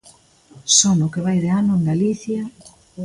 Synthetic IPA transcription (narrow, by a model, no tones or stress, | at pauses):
sɔnʊkeβ̞ajðeanʊeŋɡaliθja